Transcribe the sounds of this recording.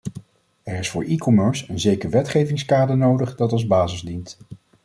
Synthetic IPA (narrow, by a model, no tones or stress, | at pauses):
ɛɹɪsfʊːɹʔikɔmœɹsənzejkəɹʋɛtχejvɪŋskaːdənowdəχdɑtɑlˠzbaːzɪzdint